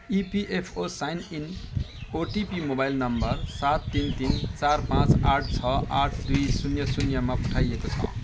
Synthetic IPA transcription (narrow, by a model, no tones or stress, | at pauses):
ipiʔepʰosajninoʈipimobajlnʌmbʌrsat̪ːint̪int͡sarpãt͡saʈʰt͡sʰʌʔaʈʰd̪ujsunjʌsunjʌmapu̥ʈʰajekot͡sʰʌ̰